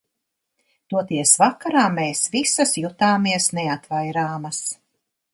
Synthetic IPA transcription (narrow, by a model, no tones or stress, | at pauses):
t̪uɔt̪iɛsvakaɾaːmeːsvisɐsjut̪aːmiɛsnɛat̪vajɾaːmɐs